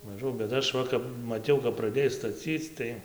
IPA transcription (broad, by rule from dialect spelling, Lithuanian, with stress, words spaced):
mɐˈʒɐʊ bʲɛt ˈɐʃ ˈʋɐ kɐp mɐˈtʲɛʊ kɐp prɐˈdʲeːj stɐˈt͡sʲiːt͡s tɐɪ